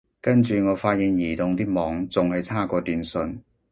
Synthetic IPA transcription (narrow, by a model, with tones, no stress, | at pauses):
kɐ˥nt͡ʃyː˨ŋɔː˨˧faː˧t̚ji˨˧ŋjiː˨˩t̪ʊ˨ŋt̪iː˥mɔː˨˧ŋt͡sʊ˨ŋhɐ˨jt͡sʰaː˥˩kɔː˧t̪yː˨nsɵ˧n